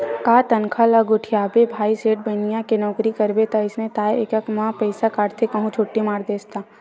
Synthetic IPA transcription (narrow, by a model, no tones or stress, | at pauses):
kaːt̪ɐnkʰalaɡʊʈʰijaːbebʱaːiseːʈ̚bənijãkenɔːkɾikɐɾbet̪aɪsnet̪aːjḛkɐkmãpəɪsakaːɽt̪ʰekɐɦũt͡ʃʰoːʈːimaːɾd̪eːst̪a